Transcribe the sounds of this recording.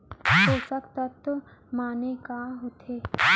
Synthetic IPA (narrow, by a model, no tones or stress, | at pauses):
ɦoːsəkt̪ət̪ | maːnekaːɦot̪ʰeː